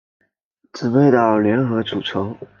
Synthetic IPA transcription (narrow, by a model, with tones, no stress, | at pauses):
ʈ͡ʂɹ̩˨˩pe˥˧ɪt̪ɑ˥˩ʊljɛ˧˥nxɤ˧˥ʈ͡ʂu˨˩ʈ͡ʂʰɤ˧˥ŋ